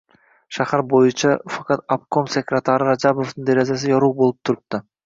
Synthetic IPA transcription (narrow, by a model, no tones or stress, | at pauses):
ʃɑχɑɾbo̞junt͡ʃɑfakɑt̪ap̚komsʲekrʲat̪aɾɾɑd͡ʒabo̞ft̪ɯnd̪eɾezes̬ijɑɾuːbo̞lˠup̚t̪ʰuɾup̚t̪ʊ